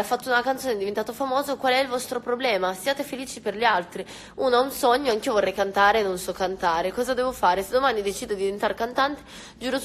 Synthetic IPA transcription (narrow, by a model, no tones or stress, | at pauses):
afːat̪ːounakant̪soːned̪ivent̪aːt̪ofamoːzokwalɛilvɔst̪ɾopɾoblɛːmasiaːt̪efeliːt͡ʃiperʎealt̪ɾi | uːnoaunsɔɲːoaŋk̟iovorːɛjkant̪aːɾeːnːonsɔkːant̪aːɾekɔːzad̪ɛːvofaːɾesed̪omanid̪et͡ʃiːd̪od̪ivent̪aɾkant̪ant̪e̥ | d͡ʒuːɾo